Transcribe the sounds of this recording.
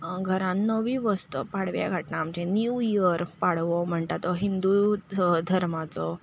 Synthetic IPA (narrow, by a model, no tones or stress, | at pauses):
ɡʱəɾãnːəʋĩʋəst̪əpaɽʋja̰ɡʱaʈnaːmt͡ɕẽnjuiəɾpaɽʋɔm̤əɳʈ̪at̪ɔɦind̪ud̪ʱəɾmat͡sɔ